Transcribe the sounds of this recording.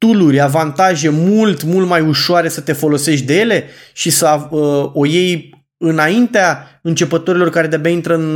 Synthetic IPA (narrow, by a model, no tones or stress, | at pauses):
t̪ulurʲavant̪aʒe̞mult̪mult̪majuʃoaɾe̞sət̪e̞fo̞lo̞se̞ʃt̬ʲd̪e̞je̞le̞ʃisəaəo̞je̞j | ɨnaint̪eaɨnt͡ʃe̞pət̪oɾilo̞rkaɾe̞d̪ebʲaint̪ɾəɨn